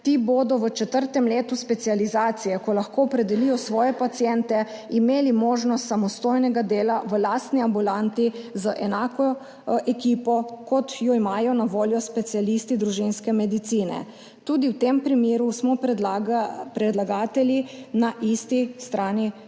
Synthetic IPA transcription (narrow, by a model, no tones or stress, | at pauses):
t̪iːboːd̪ɔʋət͡ʃɛt̪əɾt̪ɛmleːt̪uspɛt̪sializaːt̪sijɛkɔlaxkoːɔpɾɛd̪ɛlijɔsʋɔːjɛpat̪siɛnt̪ɛimeːlimoːʒnɔst̪samɔst̪oːjnɛɡad̪eːlaʋəlaːst̪niambulant̪izaʔɛnaːkɔ | ʔɛkiːpɔkɔt̪jɔimaːjɔnaʋoːljɔspɛt̪sialist̪id̪ɾuʒinskɛmɛd̪it̪siːnɛ̰ | t̪uːd̪iwt̪empɾimeːɾusmɔ | pɾɛd̪laɡaːt̪ɛlinaʔist̪ist̪ɾaːni